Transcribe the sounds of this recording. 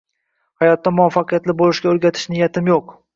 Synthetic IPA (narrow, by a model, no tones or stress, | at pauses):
hajɒt̪ːamʊafːɑqʰɨjat̪lɪbolˠɪʃɡʲaɵɾɡʲat̪ʰɪ̥ʃnɪjat̪ʰɪmjoq